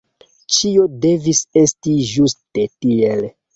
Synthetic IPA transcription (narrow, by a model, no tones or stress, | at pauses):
t͡ʃio̞de̞vise̞stiʒustetiel